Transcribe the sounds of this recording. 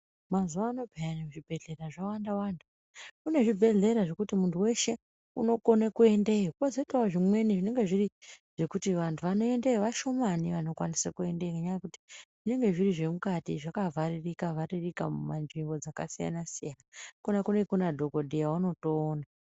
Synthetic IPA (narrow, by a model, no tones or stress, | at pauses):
mazuʋaːno̞pijaniʐibʱe̞ɮe̞raʐawandawantʰu | une̞ʐibʱe̞ɮe̞ɾaʐe̞kutimuntʰuwe̞ʃe̞ | uno̞ko̞nekue̞ndeiukazoitawaʐimwe̞niʐine̞ŋɡe̞ʐiriʐ̥e̞kutiʋantʰuʋano̞e̞ndeiʋaʃo̞maniʋano̞kwanisakue̞ndeikeɲaekuti̥ʐ̥ine̞ŋɡe̞ʐiriʐe̞mukatiʐakavaririkavaririkamumanʐiŋɡo̞d͡zaka̰sija̰nasijanakunakunekunadʱo̞ko̞dʱijawuno̞toːna